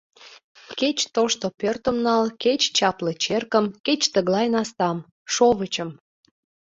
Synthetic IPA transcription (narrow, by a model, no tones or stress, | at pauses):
ket͡ɕt̪oʃt̪opørt̪ə̆mnɑlket͡ɕt͡ɕɑplət͡ɕerkə̆mket͡ɕt̪əɣlɑjnɑst̪ɑm | ʃoβət͡ɕəm